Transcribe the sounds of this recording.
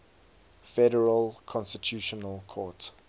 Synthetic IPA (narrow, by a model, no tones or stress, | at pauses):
fɛɾəɹəlˠkʰɔ̃nstətʰjuːʃɔnəlˠkʰɔt